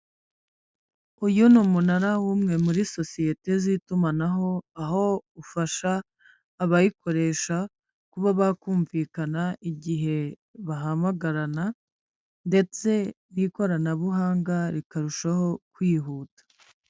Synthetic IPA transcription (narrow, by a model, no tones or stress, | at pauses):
ujunumunaɾawuːmŋe̞muɾiso̞sije̞te̞zitumanaɦo̞aɦo̞ufaʃaː | βajiko̞ɾe̞ʃa | kuβaβakuːɱviːkanaiɟiɦe̞ | βaɦamaɡaɾana | nde̞t͡se̞ | niko̞ɾanaβuɦaːŋɡaɾikaɾuʃaho̞kwiːɦuːtḁ